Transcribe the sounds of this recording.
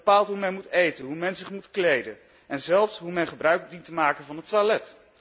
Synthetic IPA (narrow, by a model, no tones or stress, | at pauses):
paːlˠtɦumɛnmutejtənɦumɛnzɪχmutklejdən | ʔɛnzɛlˠfsɦumɛnχəbrœɥk̚dintəmaːkənvɑnɦətʋalɛt